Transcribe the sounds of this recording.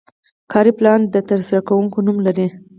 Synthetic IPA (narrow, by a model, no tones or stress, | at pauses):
kʰɑɾiplɑnd̪ət̪əɾsaɾakawuŋkonumlaɾi